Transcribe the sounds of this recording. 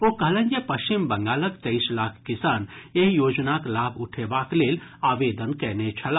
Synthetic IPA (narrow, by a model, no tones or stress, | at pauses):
okəɦlɛ̃nd͡ʒepəʃimbəŋɡaːləkt̪əɪslakʰːisaneɦjoːd͡ʒnaklabʱuʈʰebaklelaːʋed̪ənkɛnet͡ʃʰəla